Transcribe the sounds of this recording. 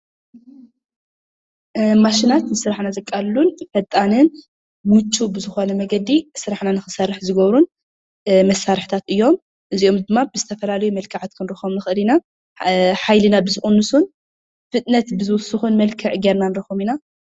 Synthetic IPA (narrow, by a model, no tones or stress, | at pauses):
maʃinat̪nɨsɨɾaħnazɐkʼːalːunfɐt̪ʼanɨn | wut̪ʰːubɨzɨxo̞nɐmɐɡɐd̪isɨɾaħnanɨxɨsɐɾɨħzɨɡɐβɾun | mɐsːaɾɨħt̪ʰat̪ʔɨjːo̞m | ʔɨziʔomd̪ɨmːabɨzɨt̪ʰɐfɐlalɐjumɐlkʰɨʕat̪̚kʰɨnɾɨxomnɨxɨʔɨlina | ħajlɨnabɨzɨxʼunːɨsun | fɨt̪ʼnɐt̪bɨzɨwʊsɨxunmɐlkʰɨʕɡeɾnanɨɾɐxomina